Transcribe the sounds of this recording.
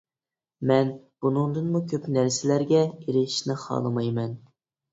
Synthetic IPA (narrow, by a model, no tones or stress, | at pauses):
mɛnb̥unʊŋd̪ɨnmukʲʰøpnæɾsɪlæɾɡʲɛiɾɪʃnɪχɑ̰ːlˠɨmɑjmɛn